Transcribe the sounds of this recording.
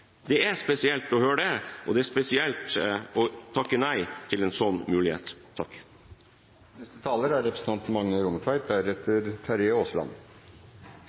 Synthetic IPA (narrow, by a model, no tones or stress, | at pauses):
d̪ɛæspɛsɪɛlt̪ɔhøːɖɛʔɔ̰d̪ɛæspɛsɪɛlt̪ɔt̪ʰɑkːənæɪt̪ʰːɪlɛnsɔnːmʉːlɪhḛːt̪ʰːɑkː | nɛst̪ət̪ʰɑːləɾæɾɛpɾəsn̩t̪ɑnt̪mɑŋnəɾʊməkʰʋæɪt̪̚d̪æɾɛt̪ːəɾt̪ʰæɾeːoːslɑ̰n